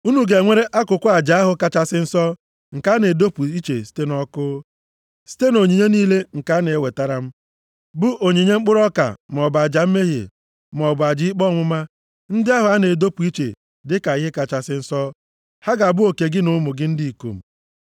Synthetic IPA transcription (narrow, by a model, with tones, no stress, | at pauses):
u˦nu˨ɡe˨ŋʷe˦ɾe˦ʔa˦kʊ˨kʷʊ˦a˨d͡ʒa˨a˦ɦʊ˦ka˦˨t͡ʃa˦sɪ˦n̩˦sɔ˦ | ŋ̩˨ka˨˦ne˨do˦pu˨i˦t͡ʃe˨si̥˦te˦nɔ˦kʊː˦ | si̥˦te˦no˨ɲe˨ɲe˦niː˦le˦ŋ̩˨ka˨˦ne˨we˨ta˦ɾa˨m̩˦ | bʊ˦ʔo˨ɲe˨ɲe˦ŋ͡m̩˦k͡pʊ˦ɾɔ˦ka̰˨m˨ɔ˨ba˨d͡ʒa˨m̩˦me˦ɦḛ˨ | m˨ɔ˨ba˨d͡ʒɪ˦i˦k͡pɔ˦˨ŋʷʊ˦ma˦ | n̩˦dɪ˦a˦ɦʊ˨a˦ne˨do˦pu˨i˦t͡ʃḛ˨ | dɪ˦ka˨ɪ˦ɦɪ˦ka˨t͡ʃa˨sɪ˦n̩˦sɔ˦ | ha˦ɡa˨bʊ˦o˨ke˨ɡɪ˦nʊ˨˦mʊ˨ɡɪ˦n̩˦di˦i˨ko̰˨m̩˨